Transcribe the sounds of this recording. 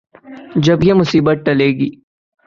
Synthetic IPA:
d͡ʒɐbjemʊsiːbət̪̚ʈɐleːɡiː

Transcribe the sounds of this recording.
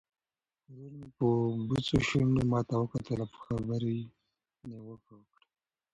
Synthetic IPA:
ɾunpəbut͡soʃunomɑt̪awəkat̪əlapə̥xabəɾi | newəkawəkɽa

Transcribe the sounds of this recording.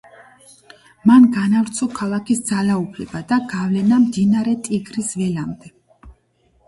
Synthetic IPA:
manɡanavɾt̪sʰɔkʰalˠakʰisd̪zalaupʰlɛbad̪aɡavlɛnamd̪inaɾɛt̪ʼiɡɾisvɛlamd̪ɛ

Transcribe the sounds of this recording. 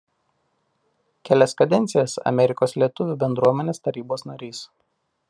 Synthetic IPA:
kʲɛlʲɛskɐd̪ʲɛnʲt̪sʲɪjɛsɐ̰mʲɛɾʲɪkoːslʲiɛt̪ʊʋʲʊbʲɛnd̪ɾuɔmʲɛnʲeːst̪ɐɾʲiːboːsnɐɾʲiːs

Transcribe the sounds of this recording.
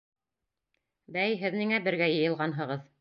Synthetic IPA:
bæjɦɘ̆ðnɘ̆ŋæbɘ̆ɾɡæjɤ̆jɤ̆lˠʁɑnɦɤ̆ʁɤð

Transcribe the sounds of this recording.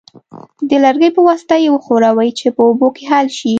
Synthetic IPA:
d̪əlaɾɡəjpəwɑsɪ̥t̪ajewəxoɾawəjt͡ʃepəobokeɦalʃi

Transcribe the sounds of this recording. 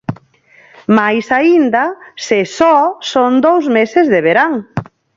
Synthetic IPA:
majsaind̪asesɔsond̪owzmesɪzðeβeɾaŋ

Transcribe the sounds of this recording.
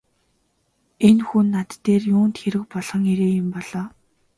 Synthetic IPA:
enxunːat̪ːeːrjʊːnt̪xeɾɘ̆k̚pɔɮ̥ʁɞ̆ŋeɾeːjɪ̆mpɔɮ̥ɔː

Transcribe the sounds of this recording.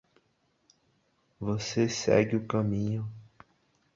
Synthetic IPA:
vosesɛ̰ɡɪʊkɐmĩɲʊ

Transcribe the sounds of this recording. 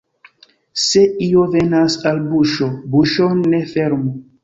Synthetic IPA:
seiovenasalbuʃobuʃonefeɾmu

